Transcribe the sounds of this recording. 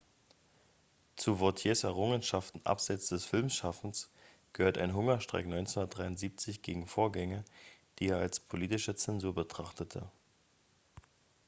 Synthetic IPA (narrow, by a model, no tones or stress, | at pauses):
t͡suːvʊɐtʰjeːsɛɐʁ̞ʊŋənʃaftn̩ʔa̰pz̥aɪt͡sd̥ɛsfɪlmʃafn̩s | ɡ̥əhøːɐta̰ɪnɦʊŋɐʃtʁ̥a̰ɪknɔʏnt͡sɛnhundɐtd̥ʁaɪʊntz̥iːp̚t͡sɪçɡ̥eːɡŋ̩foːɐɡɛŋəd̥iːeːɐalspʰoliːtɪʃət͡sɛnzuːɐbətʁ̥aχtətʰə̰